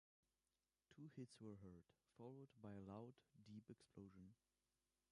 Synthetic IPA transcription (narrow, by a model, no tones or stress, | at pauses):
tʰuːhɪtswə˞ɦɜ˞d̥fɑloʊd̚baɪəlaʊdːipɛkspʰloʊʒə̃n